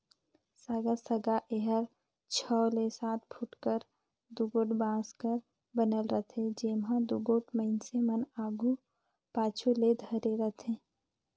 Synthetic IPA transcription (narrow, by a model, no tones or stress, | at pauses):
saːɡasəɡaʔeɦəɾ | t͡ʃʰɔːlesaːt̪̚pʰʊʈkəɾ | d̪uɡoːʈbãːskəɾ | bənəlɾət̪ʰed͡ʒeːmɦãd̪uɡoːʈməɪnsemənaːɡu | paːt͡ʃʰuled̪ʱəɾeɾət̪ʰẽː